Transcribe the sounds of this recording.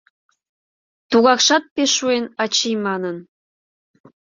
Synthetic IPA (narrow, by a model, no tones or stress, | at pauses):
t̪uɣɑkʃɑt̪̚peʃːuenɑt͡ɕijmɑnən